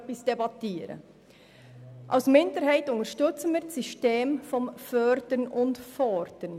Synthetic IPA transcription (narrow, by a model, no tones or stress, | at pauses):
pɪsd̥ebɑtiːɾə̰ | ʔɑ̰ʊsmɪndəɾhaɪtʊntəɾʃtʏt͡sən̩miːsiʃteːmfɔnfœɾdənʊntfɔɾd̥ən